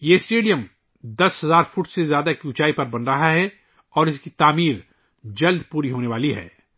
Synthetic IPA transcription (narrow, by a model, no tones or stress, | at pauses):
jesʈeːɖijəm | d̪ɐsɦɐzaːɾfʊʈsezjaːd̪akijuːt͡ʃaːipɐɾbɐnɾɐɦaɦɛ | ɔːɾɪskit̪aːmiːɾ | d͡ʒɐld̪puːɾiɦoːneʋaːliɦɛ̰ː